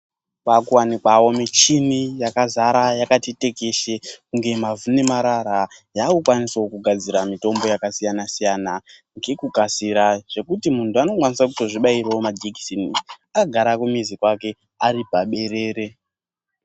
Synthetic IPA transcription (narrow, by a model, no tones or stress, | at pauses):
pakuwanikwawo̞mit͡ʃinijakazaɾajakatete̞ke̞ʃekuŋɡe̞mavunemaɾaɾajakukwanisokuɡʱad͡ziɾamito̞mbo̞jakasijanasijana | ŋɡekuɡʱasiɾaʐ̥e̞kutimuntuano̞kwanisakuto̞ʐiɓaiɾewomad͡ʒiki̥sini | akaɡʱaɾakumizikwake̞ | aripaɓe̞ɾe̞ːɾe̞